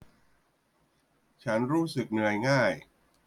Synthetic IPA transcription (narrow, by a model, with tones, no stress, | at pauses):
t͡ɕʰa˦˥nɾuː˦˥sɯ˨˩k̚nɯ˧əjŋaː˥˩j